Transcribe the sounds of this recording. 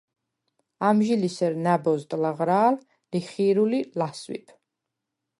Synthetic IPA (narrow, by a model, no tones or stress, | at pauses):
amʒilisɛɾnabɔzt̪ʼlaʁɾaːl | liχiɾulilaswḭpʰ